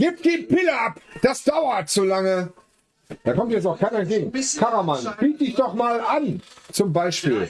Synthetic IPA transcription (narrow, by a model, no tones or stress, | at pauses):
ɡ̥iːp̚d̥iːpɪləapd̥asd̥aʊɐtz̥olaŋə | d̥aːkɔmtjɛt͡ssakʰaɪnɛntɡ̥eːɡŋ̩kʰaʁamanb̥iːt̚d̥ɪçd̥ɔχmaːlʔant͡sʊmbaɪʃpiːl